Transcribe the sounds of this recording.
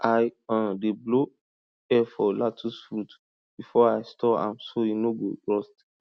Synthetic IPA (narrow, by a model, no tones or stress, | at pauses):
ʔajãndeblo | ɛfɔlatʰusfɾut | b̥ifɔajstʰɔã̰msojinoɡo̰ɹɔst